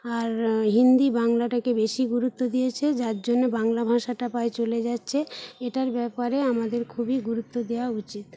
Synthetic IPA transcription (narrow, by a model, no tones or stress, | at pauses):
aɾɦind̪ibaŋlaʈakebeʃiɡuɾut̪ːod̪ijet͡ɕʰed͡ʑaɾd͡ʑonːebaŋlabʱãʃaʈapaet͡ɕoled͡ʑatːɕʰeeʈaɾbɛpaɾeamad̪eɾkʰubiɡuɾut̪ːod̪ewaut͡ɕit̪̚